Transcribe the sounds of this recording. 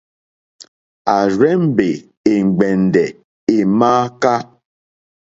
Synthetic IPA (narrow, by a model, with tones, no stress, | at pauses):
a˨ɾe˦m̩˦be˨ | e˨ŋ̩˨ɡ͡be˨n̩˨dɛ˨ | e˨maː˦ka˦